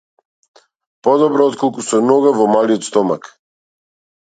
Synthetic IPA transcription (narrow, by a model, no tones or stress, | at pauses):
pɔd̪ɔbɾɔɔt̪kʰɔlˠkusɛnɔɡavɔmaliɔt̪st̪ɔmak